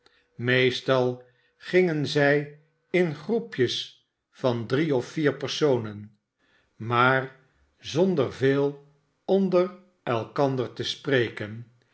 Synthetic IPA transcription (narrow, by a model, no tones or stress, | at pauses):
mejstɑlˠ | χɪŋənzɛj | ɪnχrupjəs | fɑndriɔfiːɹpəɹsownən | maːɹ | zɔndəɹveːlˠ | ɔndər | ɛlˠkɑndəɹtəsprejkən